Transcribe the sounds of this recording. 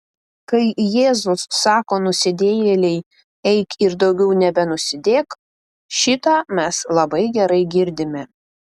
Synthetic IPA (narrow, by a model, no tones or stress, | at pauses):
kɐɪjeːzʊsːɑːkoːnʊsʲɪd̪ʲeːjɛlʲɛɪ | ɛɪkɪɾd̪ɒʊɡʲɛʊnʲɛbʲɛnʊsʲɪd̪ʲeːk | ʃʲɪt̪ɑːmʲɛslˠɐbɐɪɡʲɛɾɐɪɡʲɪɾʲd̪ʲɪmʲɛ